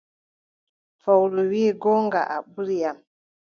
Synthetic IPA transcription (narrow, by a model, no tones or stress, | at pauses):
fawluwiːɡɔŋɡa̰ʔaɓuɾijam